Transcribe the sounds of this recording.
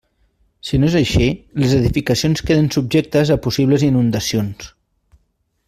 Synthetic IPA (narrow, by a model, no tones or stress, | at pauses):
sinoezəʃiləzəðifikəsionskeðənsub̚ʒek̚t̪əzəpusiβləzinund̪əsions